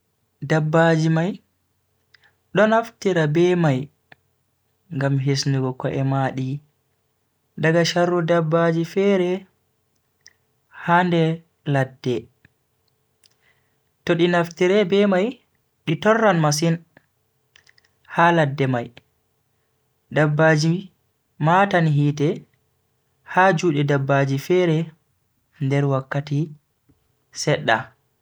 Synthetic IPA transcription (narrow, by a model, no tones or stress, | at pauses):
dabːad͡ʒimaj | ɗɔnaftiɾabɛːmaj | ŋɡamɦesnuɡɔkɔʔɛmaɗi | daɡaʃarːudabːad͡ʒifɛːɾɛ | handɛ | ladːɛ | toɗinaftiɾɛbɛmaj | ɗitɔrːanmas̬in | haladːɛmaj | dabːaːd͡ʒi | matanɦiːtɛ | haːd͡ʒuːɗɛdabːad͡ʒifɛɾɛ | ndɛɾwakːati | sɛɗːa̰